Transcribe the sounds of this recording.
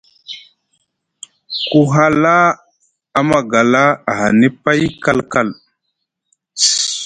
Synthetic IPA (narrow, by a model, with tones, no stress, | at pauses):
ku˦ɦa˦la˦ | a˦ma˨ɡa˨la˦a˨ɦa˨ne˦pa˦jka˦lka˦˨l